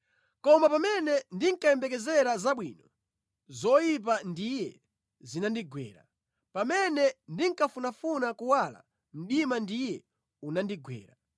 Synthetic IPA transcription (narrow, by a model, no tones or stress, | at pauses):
kɔmapamɛnɛndiŋkaɛmbɛkɛzɛɾazaɓwḭːnɔ | zɔjip̬andijɛ | zinandiɡwɛ̰ːɾa̰ | pamɛnɛndiŋkafunafunakuwala̰ | m̩ɗimandijɛ | unandiɡwɛ̰ːɾa